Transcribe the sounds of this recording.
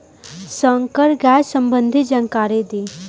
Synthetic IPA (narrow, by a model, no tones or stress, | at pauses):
səŋkəɾɡɛːsəmbənd̪ʱid͡ʒaŋkaːɾed̪iː